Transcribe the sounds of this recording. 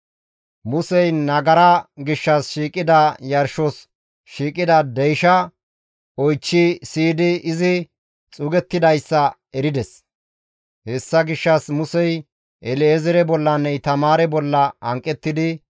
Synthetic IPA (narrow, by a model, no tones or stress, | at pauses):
mʊsɛjnɐɡɐɾɐɡɪʃːɐsʃiːkʼɪd̪ɐjɐɾʃɔs | ʃiːkʼɪd̪ɐd̪ɛjʃɐ | ɔjt͡ʃːisiːd̪ɪɪzɪ | t͡sʼʊɡɛt̪ːɪd̪ɐjsːɐ | ɛɾɪd̪ɛs | hɛsːɐɡɪʃːɐsmʊsɛj | ɛlezɛɾɛbɔlːɐnːɛjt̪ɐmaːɾɛbɔlːɐɐŋkʼːɛt̪ːɪd̪ɪ